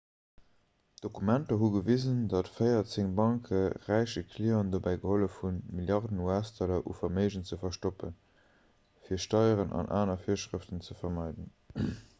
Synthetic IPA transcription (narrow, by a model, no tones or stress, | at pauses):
d̥okumæntɐɦuɡəvizəndɑtfəɪɐt͡seŋbɑŋkʰəʁæɪʃəkʰliondobæɪɡəholəfunmiljɑʁdənuæstʰɑlɐʔṵfɐməɪʒənt͡səfɐʃtopən | fiːɐʃtɑɪəʁənʔɑ̰nʔa̰ːnɐfiːɐʃʁəftənt͡səfɐmɑɪdən